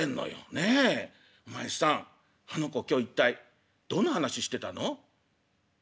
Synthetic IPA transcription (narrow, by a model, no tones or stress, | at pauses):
ẽnːo̰jo̰ne | omaii̥sãŋ | hano̞ko̞kʲo̞ːit̪ːai | d̪̥õ̞nːahanaɕiɕi̥t̪e̞t̪ano̞